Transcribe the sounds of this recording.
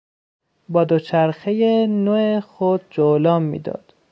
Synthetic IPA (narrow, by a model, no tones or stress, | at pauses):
bɒːd̪ot͡ʃʰæɾxejenoːexod̪̚d͡ʒolɒːmːḭːd̪ɒ̰ːd̪̥